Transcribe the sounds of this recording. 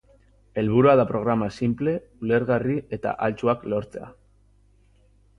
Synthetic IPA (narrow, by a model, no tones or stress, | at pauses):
e̞lβuɾuaðapɾo̞ɣ̞ɾamasimple̞ | ule̞ɾɣarie̞t̪a̰ʔalt͡suaklo̞ɾt͡se̞a̰